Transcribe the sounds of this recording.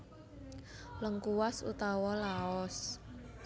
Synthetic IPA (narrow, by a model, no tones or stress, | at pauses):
ləŋkuwasṵt̪awɔlaɔs